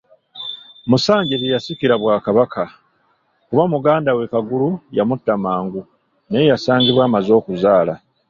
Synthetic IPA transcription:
musaːɲɟetejasikiɾaβwaːkaβakʰa | kuβamuɡaːndawe̞kaɡulujamutːamaːŋɡu | neejasaːɲɟiβwaːmazo̞ːkuzaːla

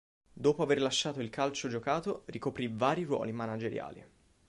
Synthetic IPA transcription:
d̪oːpoaverlaʃːaːt̪oilkʰalt͡ʃod͡ʒokaːt̪orikopɾivaːɾirwɔ̰ːlimanad͡ʒeɾja̰ːlḭ

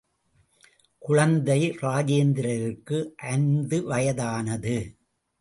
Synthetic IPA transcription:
kʊɻɐnd̪ɐɪɾaːd͡ʒeːnd̪ɪɾɐɾɯrkːɯʔɐnd̪ɯʋɐjɐðaːnɐðɯ

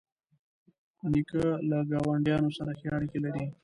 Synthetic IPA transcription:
anikalaɡɑwaɳɖjɑnosaɾaxjɑɽikelaɾi

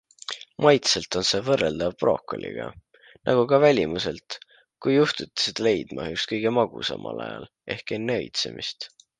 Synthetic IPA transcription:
mɑjt̪se̞lt̪ˑo̞nse̞ːvɤrːe̞ld̪̥ɑvprʔo̞ːkːˑo̰lʔḭɡ̥ɑ̰ | nʔɑ̰ɡ̥ukɑvælʲimuse̞lt̪ | kujːuht̪ut̪ʲːi̥sed̪̥ɑle̞jd̪̥mɑ̰ykskɤ̞jɡ̥e̞mɑɡ̥usɑ̰mʔɑ̰lɑ̰jɑ̰l | e̞hke̞nːeɤ̰jt̪se̞̰mḭst̪

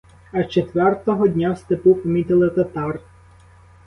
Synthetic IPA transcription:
ɐt͡ʃet̪ʋɛrt̪ɔɦɔdʲnʲawst̪ɪpupɐmʲit̪ɪlˠɪt̪ɐt̪ɑr

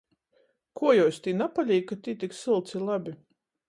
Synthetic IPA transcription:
kuɔjɔɔsʲt̪ʲiːnapalʲiːkːat̪ʲiːt̪ʲiksilˠt̪silˠabʲi

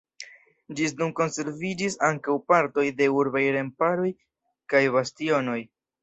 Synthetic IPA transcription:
d͡ʒisnunko̞nse̞ɾvid͡ʒisaŋkawpaɾto̞jde̞uɾbajɾe̞mpaɾo̞j | kajβastio̞no̞j

